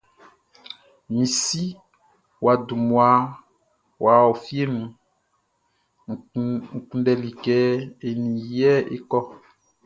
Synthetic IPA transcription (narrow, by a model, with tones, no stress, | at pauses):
mĩ˨si˦ | wa˨du˨mũ˨a˨ | wa˨wo˨fi˦e˦nũ˨ | ŋ̩˨kũ˦ɖɛ˨li˨kɛ˨e˨nĩ˨jɛ˦ḛ˦kɔ˦